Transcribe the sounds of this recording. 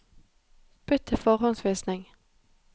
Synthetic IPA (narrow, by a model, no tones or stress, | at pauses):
b̥ʏt̪ʰːəfɔʁɦʊnsʋiːsnɪŋ